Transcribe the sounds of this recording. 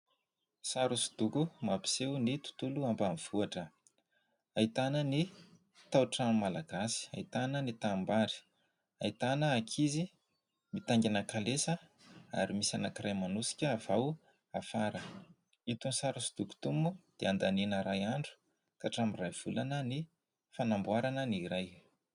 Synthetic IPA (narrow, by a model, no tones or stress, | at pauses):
saɾusu̥d̪̥uɡumapi̥sewnit̪u̥t̪uluambamiv̥uaʈ͡ʂə | ait̪anəni | t̪awʈ͡ʂammalaɡasi̥a̰it̪anənit̪ambaɾi̥ | ait̪anəːkʰizi | mit̪aŋɡʲanəkalesəa̰ɾimisanəkirʔajmanusi̥kʲəːv̥aw | afaɾə | it̪unsaɾasu̥d̪uku̥t̪umbud̪̥eand̪anenəɾajaɳɖ͡ʐu̥ | kaʈ͡ʂamirajv̥ulanəni | fanambuaɾanəniɾaj